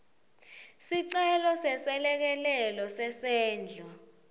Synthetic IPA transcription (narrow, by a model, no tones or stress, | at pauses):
siǀɛlɔsɛsɛlɛk̬ɛlɛlɔsɛsɛːnd͡ɮʱɔ